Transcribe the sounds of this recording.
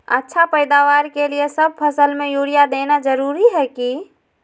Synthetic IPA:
ə̰tːʃʰapəjd̪awaɾkeliesəb̚pʰəsəlmejuɽijad̪enad͡ʒəɾuɾiɦɛki

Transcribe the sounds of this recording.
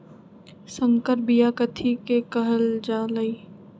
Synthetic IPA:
sə̃ŋkəɾbijakət̪ʰikekəɦəld͡ʒaːləiː

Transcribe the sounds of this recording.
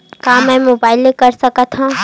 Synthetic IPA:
kaːmɛ̃moːbaːɪlekəɾsəkət̪ɦã

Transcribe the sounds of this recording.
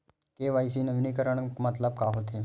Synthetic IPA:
keːʋaːjs̬inəʋnikəɾəɳ̃kmət̪ləb̚kaːɦot̪e

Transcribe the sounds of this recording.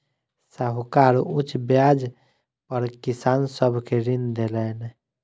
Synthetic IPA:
saɦukaɾut͡ʃbjad͡ʒ | pəɾkisansəbʱkeɾind̪elɛn

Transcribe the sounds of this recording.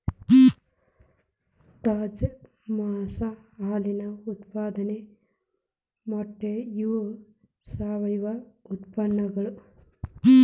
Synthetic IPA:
t̪aːd͡ʒ | maːsaaːlinɐut̪paːd̪ɐne | moʈːejuʋ | saːʋɐjʋɐut̪pɐnːɐɡɐɭu

